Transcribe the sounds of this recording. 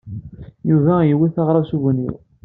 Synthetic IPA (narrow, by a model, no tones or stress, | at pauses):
juvæjiwːiθɑʁɾˤɑsuvənːḭw